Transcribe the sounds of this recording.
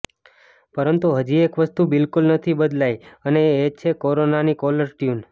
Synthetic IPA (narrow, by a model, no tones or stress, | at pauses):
pəɾənt̪uɦəd͡ʒiekʋəst̪ubɪlkulnət̪ʰibəd̪lajəneːt͡ʃʰekoɾonanikɔləɾʈjun